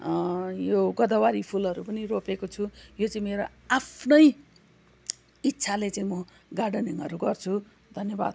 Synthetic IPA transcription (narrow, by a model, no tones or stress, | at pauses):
joɡʌd̪ʌwaɾipʰulʌɾupʌniropekot͡sʰujot͡saĩmeɾo | apʰnʌj | it̪ːsʰalet͡saĩmʌ | ɡaɖʌniŋʌɾuɡʌrt͡sʰu | d̪ʱʌnjʌba̰d̪̚